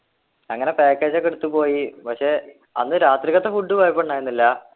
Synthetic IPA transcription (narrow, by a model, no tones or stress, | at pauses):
ɐŋːɐne̞peːkːeːd͡ʑekːiɽut̪ːupo̞ːjipɐkʂe̞ | ɐ̰nːɨɾaːt̪ɾiɣɐt̪ːefuɖːupaːjpːoɳɖaːjɾunːilːɐ